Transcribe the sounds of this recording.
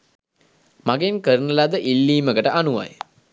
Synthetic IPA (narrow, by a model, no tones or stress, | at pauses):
maɡenkəɾunəlad̪əʔilːiːməɡəʈəʔanuʋa̰j